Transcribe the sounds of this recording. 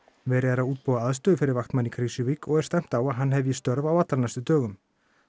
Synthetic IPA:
vɛːɾɪðaɾawuːt̪̚pɔːðaaðst̪œːðʏfɪɾɪɾvaxt̪manːikʰɾisʏvikɔɣɛɾ̥st̪ɛm̥t̪awaðɦanːɦɛvjɪst̪œɾvawat̪laɾnajst̪ʏt̪œːɣʏm

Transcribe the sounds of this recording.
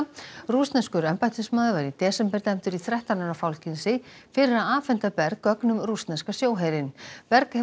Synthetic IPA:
ruːst̪nɛnskʏɾɛmpajt̪ʰʏsmaːðɪvaɾit̪ɛːsɛmpɛɾt̪ɛm̥t̪ʏɾiθɾɛht̪ananafawlcɪnsɪ | fɪːɾɪɾaðaːfɛnt̪apɛɾkːœknʏmruːst̪nɛnskasjoːwɦeːjɾɪnpɛɾkɛ

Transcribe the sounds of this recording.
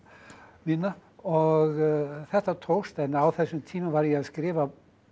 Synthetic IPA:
miːnaɔɣθɛht̪at̪ʰowst̪ɛnːawθɛsːʏmt̪ʰiːmavaɾjɛɣaskɾɪːva

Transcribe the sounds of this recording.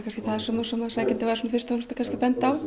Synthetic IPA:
kʰanscɪθaðsɔːmasɔmaðsacɪnt̪ɪvajɾasuːnfɪrst̪aɔnst̪ḁkʰanscɪpɛnt̪aaw

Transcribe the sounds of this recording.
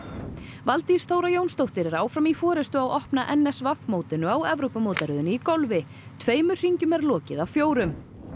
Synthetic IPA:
valt̪i̥st̪ʰoːwɾajownst̪owht̪ɪɾɛɾaːwfɾamifɔːɾɛst̪ʏawʔɔhpnaʔɛnːɛsvafmowt̪ɪnʏawɛvɾowpʏmoːwt̪aɾɪðʏnikowlvɪ | t̪ʰveːjmʏ̥r̥iɲcʏmɛɾlɔːcɪðawfjoːwɾʏm

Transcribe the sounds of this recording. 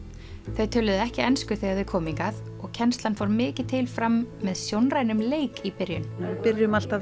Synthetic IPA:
θejt̪ʰœːlʏðɪɛhcɪɛnskʏθejɣaɾvɪkʰɔːmiŋkaθ | ɔɣcʰɛnst̪lanfɔwɾmɪːcɪðt̪ʰɪlfɾamːɛðsjownrajnʏmleːjkipɪɾjʏ̰nɪpɪɾɪʏmal̥t̪a

